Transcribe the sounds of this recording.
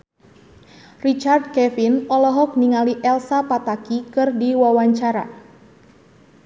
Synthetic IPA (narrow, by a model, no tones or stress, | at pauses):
rit͡ʃard̚kɛfinɔlɔɦɔk̚niŋaliʔɛlsapat̪akikɨrdiwawaɲt͡ʃaɾa̰